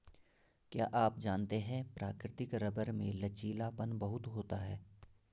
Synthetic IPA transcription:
kja̰ːʔaːp̚d͡ʒaːnt̪eɦɛ̃ːpɾaːkɾɪt̪ɪkɾɐbəɾmẽlɐt͡ʃiːlapənbɐɦʊt̪ɦoːt̪aɦɛː

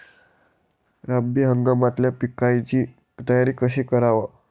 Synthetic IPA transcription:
ɾəbiɦəŋɡamat̪ljapikajt͡ɕiː | t̪əjaɾiːkəɕ̬iːkəɾaʋa

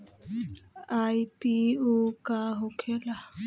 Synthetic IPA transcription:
aipiokaɦokʰela

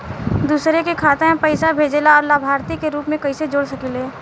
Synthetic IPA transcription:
d̪uːsɾekekʰaːt̪ẽẽpəɪsabʱeːd͡ʒelaɔːɾlaːbʱaːɾt̪ikeɾuːpmẽkɐised͡ʒoːɽsɐkileː

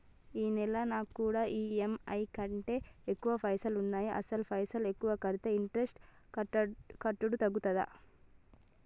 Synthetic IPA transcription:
iːnɛlɐnaːkkːuːɽaːʔiːemɐjkɐɳʈe̞ːekːuʋɐpʰɐjsɐlunːaːjiʔɐsɐlupʰɐjsɐle̞kːuʋɐkɐɾit̪eiɳʈɾesʈ | kɐʈːuɽut̪ɐɡːut̪ɐd̪ɐ̰

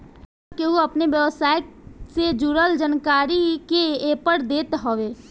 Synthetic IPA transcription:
keɦuɐpneʋjəʋsaːj | sed͡ʒuːɾəld͡ʒənkaːɾikeepəɾd̪eːt̪ɦoːʋeː

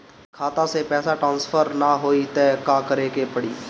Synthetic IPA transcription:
kʰaːt̪ãːseːpɛːsaːʈɾaːnspʰəɾnaːɦoːiːt̪eːkãːkəɾeːkeːpəɽiː

